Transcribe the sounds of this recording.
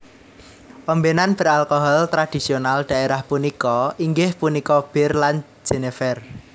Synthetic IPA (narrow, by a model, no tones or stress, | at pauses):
ʔɔmbenanb̥ə̤ɾalkoɦɔlt̪ɾad̪̥i̤sionald̪̥a̤ʔeɾahpunikɔiŋɡɪhpunikɔb̥ɪ̤rlan | d͡ʒ̥enefɛr